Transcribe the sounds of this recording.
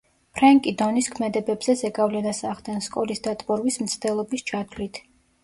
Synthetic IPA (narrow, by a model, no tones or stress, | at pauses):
pʰɾaŋkʼid̪ɔniskʰmɛd̪ɛbɛbz̥ɛzɛɡavlɛnasaʁd̪ɛnskʼɔlisd̪at̪ʼbɔɾwismt̪sʰd̪ɛlˠɔbist͡ʃʰat̪ʰlit̪ʰ